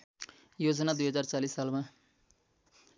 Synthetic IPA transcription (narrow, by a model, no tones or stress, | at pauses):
jod͡zʌnad̪ujɦʌd͡zart͡salisːalma